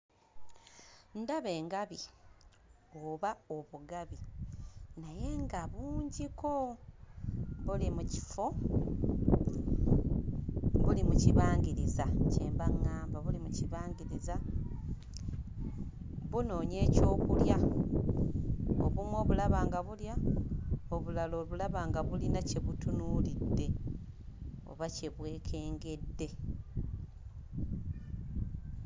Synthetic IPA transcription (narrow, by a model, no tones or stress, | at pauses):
ndaβe̞ːŋɡaβi | oβao̞βuɡaβi | naje̞ŋɡaβuːɲɟiko̞ | βulimuci̥fo̞ | βulimuciβaːŋɡiɾizace̞ːmbaŋːaːmbaβulimuciβaːŋɡiɾiza | βuno̞ːɲe̞ːco̞ːkulja | o̰βumwo̞ːβulaβaːŋɡaβulja | o̞βulaloβulaβaːŋɡaβulinace̞βutunulidːe̞ | o̞̰βace̞βwe̞ːkʰe̞ːŋɡe̞dːe̞